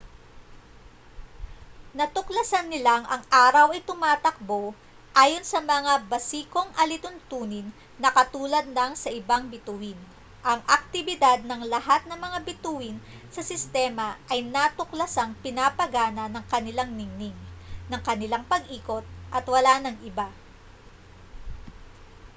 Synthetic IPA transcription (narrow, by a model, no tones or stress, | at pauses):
nɐt̪ʊklɐsɐnːɪlaŋʔɐŋʔaːɾɐwʔɐjt̪ʊmaːt̪ɐk̚bo̞ | ʔaːjo̞nsɐmɐŋabɐsiːko̞ŋʔɐlɪt̪ʊnt̪uːnɪnː | ɐkɐt̪uːlɐd̪̚lɐŋsɐʔɪbaŋbɪt̪uːhɪn | ʔɐŋɐk̚t̪ɪbɪd̪ad̪̚nɐŋlɐɦat̪̚nɐŋmɐŋabɪt̪uːhɪn | sɐsɪst̪ɛmɐʔɐjnat̪ʊklɐsaŋpɪnapɐɡaːnɐnɐŋkɐnɪlaŋnɪŋnɪŋnɐŋkɐnɪlaŋpɐɡʔiːko̞t̪̚ʔɐt̪wɐlanɐŋʔɪba